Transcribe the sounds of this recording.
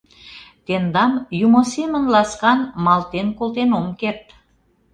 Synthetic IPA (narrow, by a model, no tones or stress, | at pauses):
t̪end̪ɑmjumosemənlɑskɑnmɑlt̪enkolt̪enomkert̪